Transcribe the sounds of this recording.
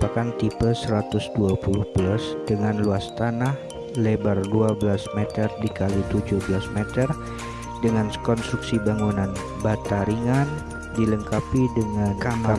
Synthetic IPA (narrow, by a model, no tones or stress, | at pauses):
pakant̪ipəlsəɾat̪ʊsduapulʊhblasdəŋanluast̪anah | lebarduabəlasmɛt̪ərdikalit̪ud͡ʒʊhbəlasmɛt̪ər | dəŋankɔnst̪ɾuksibaŋunan | bat̪aɾiŋan | diləŋkapidəŋankaa